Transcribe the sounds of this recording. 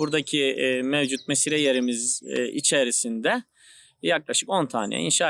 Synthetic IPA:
uɾd̪acʰimevd͡ʒut̪̚mesiɾɛjeɾimizʔḭt͡ʃʰeɾisind̪ɛ | jaklˠaʃɯko̞nt̪ʰaːnɛ̰ɛ̰ḭnʃaː

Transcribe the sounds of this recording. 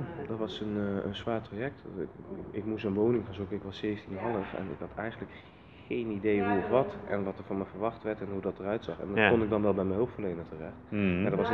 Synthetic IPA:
dɑtʋɑsənə̰nsʋaːɹtrajɛk̚t | ɪkmus̬ənʋownɪŋvɑnzukəɪkʋɑsːejfntinɦɑlˠəfɛ̰nɪ̰kɦɑtʰɛ̰jχəndlək | χejnidejɦuɔfʋɑtʔɛ̰nʋɑtəɹvɑnmɛvəɹʋɑχtʋɛɹtɛnɦudɑtərœɥtsɑχɛ̰nkɔnɪɡ̚dɑnʋɛlˠbɛjmɛnɦowptfəɹlejnətərɛχtmaːdɑtʋɑs

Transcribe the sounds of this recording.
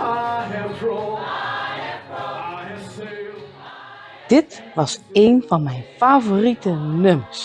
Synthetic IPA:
d̥ɪt | ʋɑsejnfɑnmɛjnfaːvoritənøms

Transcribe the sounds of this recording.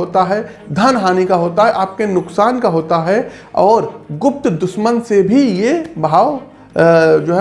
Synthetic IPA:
oːt̪aɦɛ | d̪ʱɐnɦaːnikaɦoːt̪aɦɛʔaːp̚kenʊksaːnkaɦoːt̪aɦɛ | ɔːɾɡʊp̚t̪d̪ʊʃmənsebʱijebʱaːʋ | d͡ʒoːɦɛ

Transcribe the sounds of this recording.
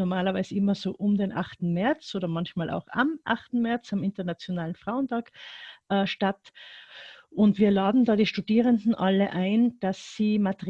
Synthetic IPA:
nɔɐmaːlɐvaɪzəɪmɐzoːʔʊmdeːnʔa̰χtn̩mɛɐt͡sʔoːɾɐmɑnçmaːlʔa̰ʊxa̰mʔa̰xtn̩mɛɐt͡samɪntɐnat͡sjonaːlənfʁ̥aʊəntʰaːkʔɛʃtat | ʔʊntv̥iːɐlaːdn̩daːdiːʃtudiːʁəndn̩ʔaləʔaɪnd̥asːiːmatə

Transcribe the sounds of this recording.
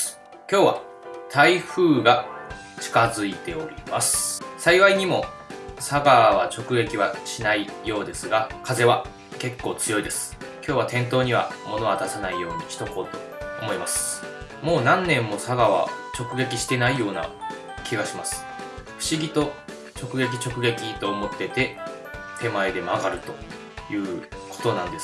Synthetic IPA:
kʲo̞ːβa | t̪ʰaiɸɯ̟ːɡa | t͡ɕi̥kazɨit̪e̞o̞ɾʲḭmasɨ̥saiβaiɲ̟imo̞ | saɡaβat͡ɕo̞kɯ̟ɡe̞kʲiβaɕinaijo̞ːd̪e̞sɨɡakaze̞βa | ke̞kːo̞ːt͡sɨjo̞id̪e̞sɨ̥kʲoːβat̪ẽ̞nt̪o̞ːɲ̟iβ̞a̰mo̞no̞βad̪asanaijo̞ːɲ̟iɕi̥t̪o̞ko̞ːt̪o̞ː | mo̞imasɨ̥ | mo̞ːnãnːẽ̞mːo̞saɡaβa̰t͡ɕo̞kɯ̟ɡe̞k̬ʲiɕi̥t̪e̞naijo̞ːna̰ | kʲiɡaɕimasɨ̥ | ɸɯ̟̥ɕiɡʲit̪o̞ | t͡ɕo̞kɯ̟ɡe̞k̬ʲi̥t͡ɕo̞kɯ̟ɡe̞kʲit̪o̞ːmo̞t̪ːe̞t̪e̞ | t̪ʰe̞mae̞d̪e̞maɡaɾɯ̟t̪o̞ | jɯ̟ː | kʰo̥t̪o̞nãnd̪e̞s

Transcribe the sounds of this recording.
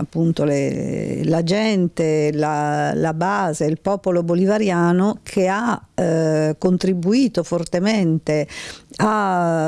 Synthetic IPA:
apːunt̪olḛlad͡ʒɛnt̪elalabaːzeilpɔːpolobolivaɾjaːnokʰea | kːont̪ɾibuiːt̪ofort̪ement̪ea

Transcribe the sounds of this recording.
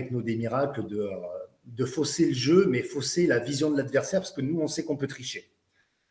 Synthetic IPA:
ɛknod̪emiʁakld̪əø | d̪əfoseləʒømɛfoselavizjɔ̃d̪əlad̪vɛʁsɛʁpaʁsə̥kənuɔ̃sɛkɔ̃pøt̪χiʃe

